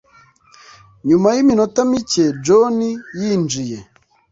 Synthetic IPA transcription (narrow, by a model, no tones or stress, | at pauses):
ɲumajiminotamice̞d͡ʒonijiːnd͡ʒije